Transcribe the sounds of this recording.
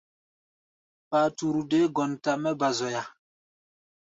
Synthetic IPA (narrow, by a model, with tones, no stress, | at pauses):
pa˨tu˨ɾu˨de˦ɡɔ˨nta˦˨mɛ˦ba˨zɔ˨ja˨